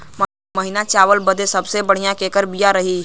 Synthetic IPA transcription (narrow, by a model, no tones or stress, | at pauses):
ma | məɦɪnat͡ʃaːʋəlbəd̪ʱesəbsebəɽ̤ijãkeːkəɾbijaɾəɦi